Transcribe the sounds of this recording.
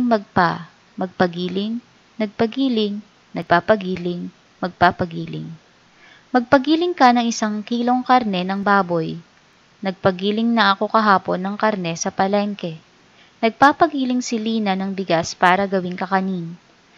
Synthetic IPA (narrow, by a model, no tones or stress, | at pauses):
ŋmɐɡ̚pa | mɐɡ̚pɐɡiːlɪŋ | nɐɡ̚pɐɡiːlɪŋ | nɐɡ̚paːpɐɡiːlɪŋ | mɐɡ̚paːpɐɡiːlɪ̰ŋ | mɐɡ̚pɐɡiːlɪŋkɐnɐŋʔɪsaŋkiːlo̞ŋkɐɾnɛnɐŋbaːbo̞j | nɐɡ̚pɐɡiːlɪŋnɐʔɐko̞kɐɦaːpo̞nːɐŋkɐɾnɛsɐpɐlɛŋkɛ | nɐɡ̚papɐɡiːlɪŋsɪliːnɐnɐŋbɪɡaspaːɾɐɡɐwɪnkɐkɐnin